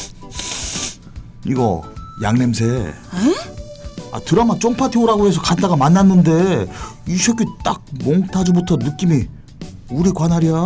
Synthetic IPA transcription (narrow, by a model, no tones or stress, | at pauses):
iɡʌ̰ja̰ŋne̞msʰe̞ | a̰tɯɾamat͡ɕ͈oŋpʰatʰioɾaɡoɦe̞s̬ʰʌkat͈aɡamanːanːɯnde̞iɕʰʌk͈it͈ak̚moŋtʰad͡ʑubutʰʌnɯk͈imi | uɾikwanɦaɾia